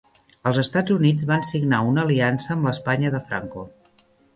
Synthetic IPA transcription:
əlˠzəst̪ad͡zunid͡zβansiɡnaunəliansəːmləspaɲəðəfɾa̰ŋko

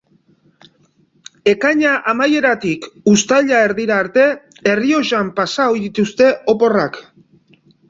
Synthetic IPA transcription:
e̞kaɲaʔamaje̞ɾat̪ikust̪aʎaeɾðiɾaːɾt̪e̞ | erio̞ʃampasao̞jðit̪ust̪e̞o̞po̞rak

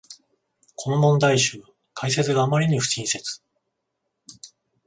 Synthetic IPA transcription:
kʰo̞no̞mõ̞nd̪aiɕɨː | kʰaise̞t͡sɨɡaːmaɾʲiɲ̟iɸɯ̟̥ɕĩɰ̃se̞t͡sɨ̥

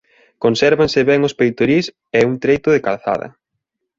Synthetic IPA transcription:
konsɛɾβansɪβɛŋʊspejt̪oɾis | ɛuŋt̪ɾejt̪ʊðɪkalθa̰ðɐ̰

